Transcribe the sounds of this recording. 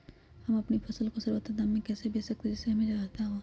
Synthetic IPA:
hɐmɐpnipʰɐsəlkosɐɾʋət̪ad̪amːẽkɛːsebeːsɐk̚t̪ed͡ʒɛseɦɐmẽd͡ʒaːɦt̪aɦõː

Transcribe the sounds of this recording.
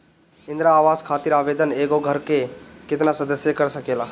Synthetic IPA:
ɪ̃nd̪ɾaːʋaːzkʰaːt̪ɪɾaːʋeːd̪əneːɡoɡʱəɾkekɪt̪nasɐd̪əsjəkəɾsəkeːlaː

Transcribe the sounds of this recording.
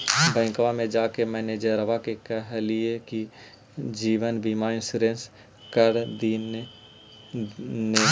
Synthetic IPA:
bɛ̃ːŋkʋamẽd͡ʒaːkemɛːned͡ʒəɾəʋakekəɦlijeki | d͡ʒiːʋənbiːmaɪ̃nsuɾẽːns | kəɾd̪i | ne

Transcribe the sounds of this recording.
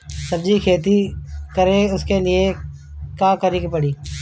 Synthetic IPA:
səbd͡ʒiːkʰeːt̪̬iːkəɾẽːʊskeːlɪeː | kãːkəɾiːkpəɽiː

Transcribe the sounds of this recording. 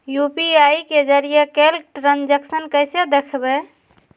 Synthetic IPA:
jupiaiked͡ʒəɾijekelʈɾãnd͡ʒəksənkəjsed̪ekʰbɛ

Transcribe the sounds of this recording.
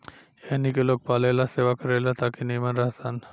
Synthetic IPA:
enikelok̚palelasewakɔɾelat̪akinejmanɾaɦsan

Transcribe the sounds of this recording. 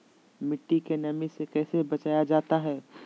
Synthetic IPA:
mɪʈːikenɐmisekɛːsebɐt͡ʃaːjad͡ʒaːt̪aɦɛː

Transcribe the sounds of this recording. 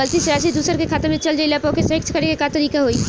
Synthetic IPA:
əlt̪isɾaːs̬id̪uːsəɾkekʰaːt̪əɾmẽt͡ʃɐld͡ʒəilapɔ̃kʰesɐɪk̚t͡ʃʰkɐɾekekat̪ɐɾiːkaɦoi

